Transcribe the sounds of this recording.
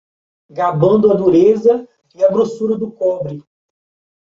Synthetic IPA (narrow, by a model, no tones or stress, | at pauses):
ɡabɐ̃nd̪ʊɐd̪uɾezɐ | ɪɐbɾosuɾɐd̪ʊkɔbɾɪ